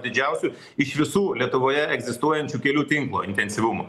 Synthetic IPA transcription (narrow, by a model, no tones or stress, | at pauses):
d̪ʲɪd͡ʒʲɛʊsʲʊ | ɪʃʋʲɪsuːlʲiɛt̪ʊʋoːjɛɛɡzʲɪst̪uɔjɛnʲt͡ʃʲukʲɛlʲuːt̪ʲɪŋklˠo̰ːɪnʲt̪ʲɛnʲsʲɪʋʊmʊ̰